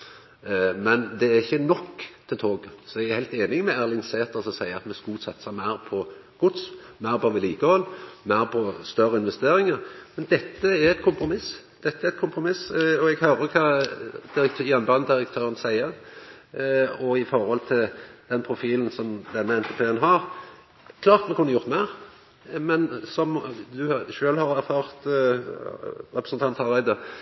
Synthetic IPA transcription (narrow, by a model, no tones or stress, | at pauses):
mɛnd̪ɛæɾɪçːənɔkːt̪ʰɪlt̪ʰoːɡəsɔɛɡæɾhæɪlt̪eːnɪŋmɛæːɾlɪŋseːt̪əɾsɔsæɪəɾɑt̪mɛskuːt̪sɑt̪ːəsəmæɪɾpʰɔɡ̥ʊt̪smæɪɾpʰɔʋɪliːkəhɔlːmæɪɾpʰɔst̪œɾəɪnʋɛst̪eːɾɪŋəɾmɛnd̪ɛt̪ːəæɾɛt̪̚kʰʊmpɾʊmɪs | d̪̥ɛt̪ːəɛæɾɛt̪̚kʰʊmpɾʊmɪsɔɛɡhœɾəkʰɑːd̪̥ɪɾəkt̪ʰjɛnbɑnːəd̪ɪɾəkt̪ʰøːɾənsæɪəɾ | ɔɪfɔɾhɔlt̪ʰɪld̪̥ɛnpʰɾʊfiːln̩sɔmd̪ɛnːəɛnt̪ʰɛpʰeːənɦɑɾ | kʰlɑːʁt̪mɛkʉnːəjʊʁt̪mæɪɾ | mɛnsɔmd̪ʉʃøːlhɑɾæɾfɑːʁt̪ | ɾɛpɾəsnt̪ʰɑnt̪ʰɑɾbæɪd̪ə